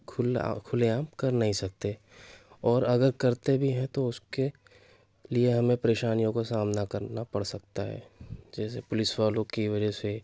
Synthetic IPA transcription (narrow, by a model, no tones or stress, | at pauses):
kʰʊl̰kʰʊleaːmkɐɾnɐɦĩsɐk̚t̪e | ɔːɾɐɡəɾkɐɾt̪ebʱiɦɛ̃t̪oʊske | lieɦɐmẽpɾeːʃaːnijõkosaːmnakɐɾnapɐɽsɐk̚t̪aɦɛ̰ːd͡ʒɛːsepʊlɪswaːlõkiʋɐd͡ʒəse